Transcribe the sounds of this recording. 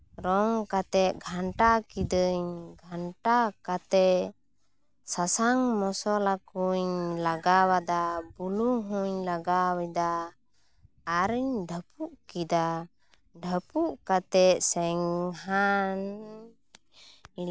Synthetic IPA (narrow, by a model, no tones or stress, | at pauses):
ɾɔŋkat̪ɛt̪̚ɡʱaɳʈakid̪əɲɡʱaɳʈakat̪ɛ | sasaŋmɔsɔlakuɲlaɡawad̪abuluɦuɲlaɡawɛd̪a | ɾəɲɖʱəpuʔkid̪a | ɖʱəpuʔkat̪ɛsɛŋɦan